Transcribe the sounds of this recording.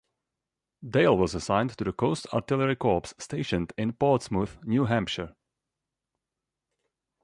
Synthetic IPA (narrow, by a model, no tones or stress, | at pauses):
deɪlˠwɔzəsãɪ̃ntɨðəkʰoʊstʰa̰ɹtɪlˠəɹikʰɔɹpsːteɪʃɨ̃ndɪ̃npɔɹtsmuθnjuɦæ̃mpʃə˞